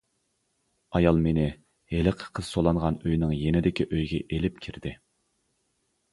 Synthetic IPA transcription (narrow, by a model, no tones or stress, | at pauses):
ɑjɑlˠmenɪ | helɪqʰə̥qʰəz̥solˠɑɴʁɑnøjnɪŋjenɪd̪ɪkʲiʔøjɡʲɛʔelɪp̚kʲʰiɾd̪ɪ